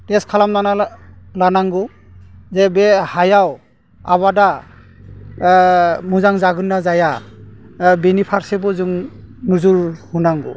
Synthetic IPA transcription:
tɛskʰalamnanalanaŋɡu | zɛbɛhajaw | aβada | muzaŋzaɡɯnːazaja | binipʰaɾsɛbɔzuŋnuzuɹhunaŋɡṵ

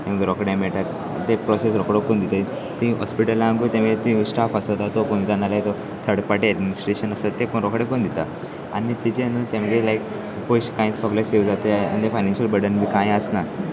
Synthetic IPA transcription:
t̪ẽməɡeɾɔkɽemɛɭʈ̪at̪ | t̪epɾɔsesɾɔkɽokːond̪it̪e | t̪ĩɦɔspiʈəlːamɡut̪ẽm̤əɡet̪ĩsʈafəsət̪at̪opond̪it̪analaet̪o | t̪ʰəɽpaʈeəɖminisʈɾeɕənəst̪ət̪ːekonɾɔkɽepoɳd̪it̪a | anit̪it͡ɕenut̪ẽmɡelajk | pojɕkãĩsɔɡleseʋd͡zat̪ea̰nit̪efajnenɕəlbəɾɽənmikãjəsna

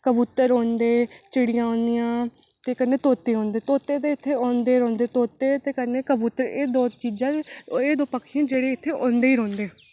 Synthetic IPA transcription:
kəbuːt̪ːəɾoːnd̪eːt͡ʃɪɽɪjãːõːnd̪ɪjãː | t̪eːkənːeːt̪oːt̪ːeːõːnd̪eːt̪oːt̪eːt̪eːɪt̪ʰːeːɔːnd̪eːɾɔ̃ːnd̪eːt̪oːt̪ːeːt̪eːkəneːkəbuːt̪ːəɾeːd̪oːt͡ʃiːd͡ʒãːeːd̪oːpəkʰːijãːd͡ʒeːɽeːɪt̪ʰːeːʔõːnd̪eːiːɾɔ̃ːnd̪eː

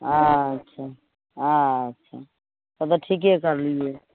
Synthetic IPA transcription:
ɦãətːʃʰa | ãətːʃʰa | t̪ɔt̪ɔʈʰik̬ekəɾlie

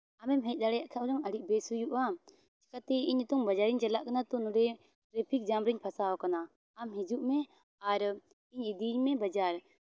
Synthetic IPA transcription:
amɛmɦɛc̚ˀɗ̪aɽɛjaʔkʰaɔlɔŋəɽiʔ̚bɛsujuʔam | t͡ʃi̥kat̪ɛiɲut̪uŋbad͡ʒaɾiɲt͡ʃɛlaʔkanat̪unuɖɛ | ʈɾɛpʰik̚d͡ʒambɾiɲpʰasaɔkanaː | mɦid͡ʒuʔmɛ | aɾ | iɲid̪iɲmɛbad͡ʒaɾ

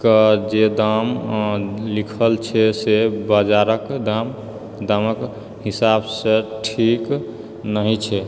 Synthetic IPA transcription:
kəd͡ʒed̪am | likʰəlt͡ʃʰɛsebəd͡ʒaɾəkd̪am | d̪amək | ɦisabsẽʈʰik | nəɦit͡ʃʰɛ

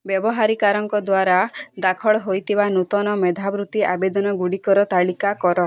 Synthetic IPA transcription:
bjɔbɔɦaɾikaɾɔŋkɔd̪waɾad̪akʰɔɭɔɦojt̪ʰibanut̪ɔnɔmed̪ʱabɾut̪iabed̪ɔnɔɡuɽikɔɾɔt̪aɭikakɔɾɔ

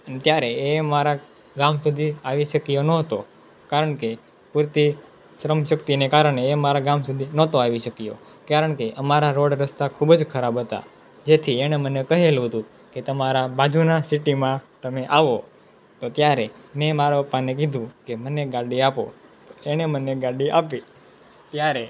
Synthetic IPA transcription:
ənet̪jaɾeemaɾa | ɡamsud̪ʱiaʋiʃəkijonɔɦət̪o | kaɾəɳke | puɾt̪i | ʃɾəmʃəkt̪inekaɾəɳ̃eːmaɾaɡamsud̪ʱinɔt̪oaʋiʃəkijo̰ | kaɾəɳkeʔəmaɾaɾoɽɾəst̪akʰubd͡ʒkʰəɾabʱɦət̪a̰ | d͡ʒet̪ʰieɽ̃emənekəɦelɦət̪ũ | ket̪əmaɾabad͡ʒunasiʈimãt̪əmeʔaʋo | t̪ot̪jaɾemẽmaɾopanek̬id̪ʱũkeməneɡaɽiapo̰t̪oeɽ̃eməneɡaɽiʔapi | t̪jaɾe

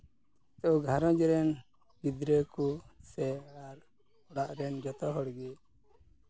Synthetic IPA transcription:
t̪ɔɔɡʱaɾɔ̃d͡ʒɛɾɛn | bid̪ɾəkusɛaɾ | ɔɽaʔɾɛnd͡ʒɔt̪ɔɦɔɽɡɛ

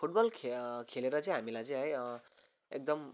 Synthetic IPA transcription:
pʰuʈbʌlkʰkʰeleɾʌt͡sʌ̃j̃ɦamilajt͡sʌ̃j̃ɦʌj | ḛk̚d̪ʌm

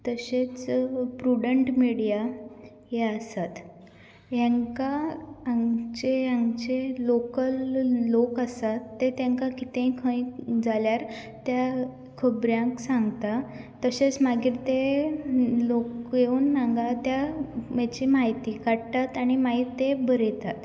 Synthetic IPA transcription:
t̪əɕet͡spɾuɽəɳʈmiɽija | ɦeasat̪ | jãŋkaːŋt͡ɕejãŋɡt͡ɕelokəlːokəsat̪ːet̪jãŋkakit̪ẽkʰə̃jd͡zaljaɾ | t̪ja | kʰəbɾjãŋksãŋɡt̪a | t̪əɕet͡smaɡiːɾt̪e | lokjeuːnːãŋɡat̪jamat͡ɕiːmaɦit̪ikaɽt̪at̪aɽ̃imaɦit̪ebəɾet̪at̪

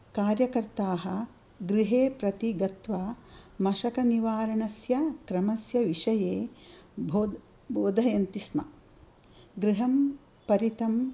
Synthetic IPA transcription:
kaːɾjɐkɐɾt̪aːɦɐ̆ | ɡɾiɦeːpɾɐt̪iɡɐt̪ʋɐmɐʃɐkɐniʋaːɾɐɳɐsjɐkɾɐmɐsjɐʋiʂɐjeːbʱoː | boːd̪ʱɐjɐnt̪ismɐ | ɡɾiɦɐm | pɐɾit̪ɐm

